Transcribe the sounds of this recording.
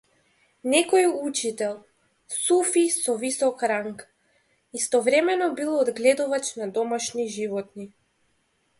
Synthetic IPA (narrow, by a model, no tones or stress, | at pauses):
nɛkɔjut͡ʃit̪ɛlˠ | sufisɔvisɔkɾaŋk | ist̪ɔvɾɛmɛnɔbilˠɔːd̪ɡlɛd̪uvat͡ʃnad̪ɔmaʃniʒivɔt̪ni